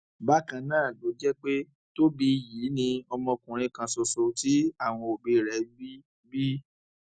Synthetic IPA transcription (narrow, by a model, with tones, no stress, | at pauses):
ba˦kã˧nãː˦˨lo˨˦d͡ʒɛ˦k͡pe˦ | to˦bi˧jiː˨˦nĩ˧ɔ˧mɔ̃˧kũ˨ɾ̃ĩ˧kã˧sɔ˧so˨ti˨˦a˦˨w̃ɔ̃˧o˨be˧˨ɾɛ˨˦bi˦ | bi˦